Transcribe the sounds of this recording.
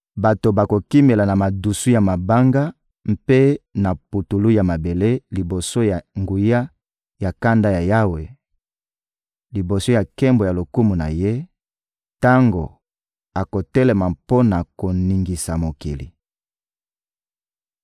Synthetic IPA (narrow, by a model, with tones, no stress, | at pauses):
ba˨to˨ba˨ko˨ki˦me˨la˨na˨ma˨du˨su˦ja˨ma˨ba˦ŋɡa˦ | m̩˦pe˦na˨pu˨tu˨lu˦ja˨ma˨be˨le˦li˨bo˨so˦ja˨ŋɡu˨ja˦ | ja˨ka˦nda˦ja˨ja˦we˨ | li˨bo˨so˦ja˨kɛ˦mbo˨ja˨lo˨ku˦mu˨na̰˨je˦ | ta˦ŋɡo̰˨ | a˨ko˨tɛ˦le˨ma˨po˦na˨ko˨ni˨ŋɡi˨sa˨mo˨kḭ˨lḭ˨